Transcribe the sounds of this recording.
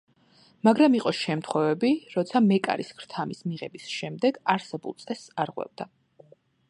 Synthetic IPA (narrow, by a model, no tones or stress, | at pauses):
maɡɾamiqʼɔʃɛmt̪ʰχwɛvɛbiɾɔt̪sʰamɛkʼa̰ɾiskʰɾt̪ʰamismiʁɛbisʃɛmd̪ɛɡaɾsɛbṵlˠt̪sʼɛsaɾʁwɛ̰bd̪a